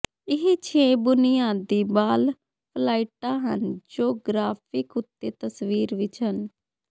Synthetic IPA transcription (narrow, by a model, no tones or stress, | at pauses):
ɪɦet͡ʃʰeːbʊnɪjaːd̪iːbaːl | pʰlaːiʈãːɦə̰nd͡ʒoːɡɾaːpʰɪkʊt̪ːeːt̪əsʋiːɾʋɪt͡ʃɦən